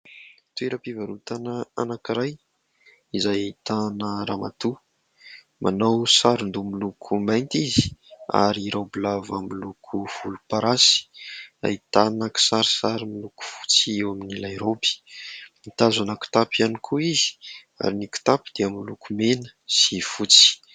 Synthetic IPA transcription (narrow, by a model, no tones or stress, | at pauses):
t̪ueɾəpivaɾut̪anəanakiɾaj | izajit̪anəɾamat̪u | mʔanawsaɾund̪umilukʰumajnt̪izi̥a̰ɾiɾawbilavamilukʰuv̥ulupaɾasi̥a̰it̪anaki̥saɾisaɾimiluku̥fu̥t͡siewaminilajɾobi̥mit̪azanaku̥t̪apianikʰuizi̥ | a̰ɾiniku̥t̪apid̪eamilukumenə̥sifut͡si̥